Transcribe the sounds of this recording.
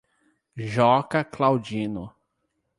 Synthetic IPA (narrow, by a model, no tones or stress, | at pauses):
ʒɔkɐklawd͡ʒĩnʊ